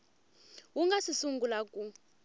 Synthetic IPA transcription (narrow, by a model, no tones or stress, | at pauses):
wuŋɡasisuŋɡulakʼu